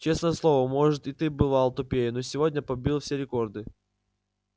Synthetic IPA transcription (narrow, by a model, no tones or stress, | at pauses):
t͡ɕe̞snəjəslˠo̞vəmo̞ʐɨt̪ɪt̪ɨbɨvalˠt̪ʊpʲejɪnosʲɪvo̞dʲnʲəpɐbʲilˠfsʲeɾʲɪko̞rd̪ɨ